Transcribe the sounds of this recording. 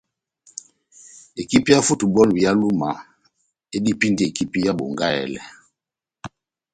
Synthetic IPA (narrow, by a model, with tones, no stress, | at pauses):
e˨ki˦pi˦ja˦fu˦tu˨bɔ˦li˨ja˦lu˦ma˨ | e˦di˦pi˦nde˨ki˦pi˦ja˦bo̰˨ŋɡa˦ɛ̰˨lɛ̰˨